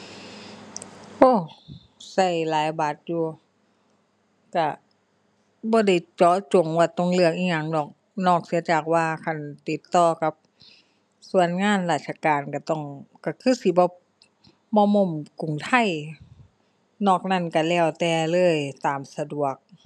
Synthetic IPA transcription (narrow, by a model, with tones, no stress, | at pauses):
ʔoː˧˩ | sa˧˩˨jlaː˨˦jbaː˨˦t̪̚juː˧ | ka˧˩ | bɔː˧˦da˧˩jt͡ɕɔː˨˧˦t͡ɕo˨˦ŋwaː˧˩t̪o˧˨ŋlɯ˧˩ək̚ʔiː˧˩ŋa˧˩ŋdɔː˧˩k̚ | nɔː˧˩k̚si˧˦ɐ˦t͡ɕaː˨˩k̚waː˧kʰa˧˨nt̪i˧˦t̪ːɔː˧ka˧˦p̚ | su˧˨ənŋaː˧˥˨nlaː˧˩t̪̚sʰa˧kaː˨˩nka˧˩t̪ɔ˧˩ŋka˧˩kʰɯː˧˥˨si˧˦bɔː˧˦ | mɔː˧˦mo˧˥˨mku˨˩ŋt̪ʰa˧˩˨j | nɔː˧˩k̚na˧˥˨nka˨˩lɛː˧˩wt̪ɛː˧lɤː˧˥˨jt̪aː˨˩msa˧du˨˩ək̚